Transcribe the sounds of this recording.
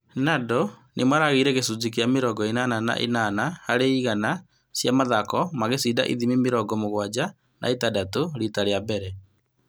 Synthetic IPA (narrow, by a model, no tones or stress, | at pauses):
nadɔnʔemaɾaɣeɾɛɣesuzikeameɾɔɡɔenanana̰ʔḛnanahaɾeiɣana | sjamaðakɔmaɣesiːda̰ʔḭðimimeɾɔɡɔmoɣwad͡ʑa | nʔa̰etadatoɾitaɾeabɛɾɛ